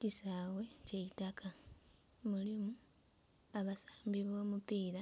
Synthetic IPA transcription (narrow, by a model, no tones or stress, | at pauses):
cisaːwe̞ceitakʰa | mulimu | aβasḁːmbiβo̞ːmupiːla